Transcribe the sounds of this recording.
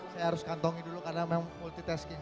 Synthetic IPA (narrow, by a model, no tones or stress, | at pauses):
sajaɦaɾʊskant̪ɔŋidulukarnamɛmmult̪it̪ɛskɪŋ